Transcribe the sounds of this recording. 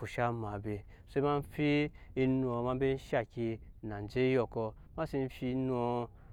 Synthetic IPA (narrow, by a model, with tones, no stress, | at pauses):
fu˨ʃa˦ma˨be˧ | se˦i˦ma˧n̩˦fi˦i˧nu˧o˧ma˧˦be˦n̩˦ʃa˦˨ki˧nã˨n˨d͡ʒe˦jo˧˨kɔ˧ | ma˦si˧n̩˦fi˧˦nu˦o˧